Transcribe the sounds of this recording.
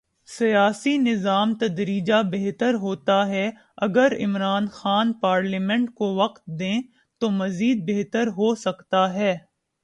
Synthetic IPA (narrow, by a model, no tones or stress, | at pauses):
sijaːsinɪzaːmt̪ɐd̪ɾiːd͡ʒabeɦt̪əɾɦoːt̪aɦɛ | ɐɡəɾɪ̰mɾaːnxaːnpaːɾliːmɛ̃ɳʈkoʋɐqt̪̚d̪ẽː | t̪omɐziːd̪̚beɦt̪əɾɦosɐkt̪aɦɛː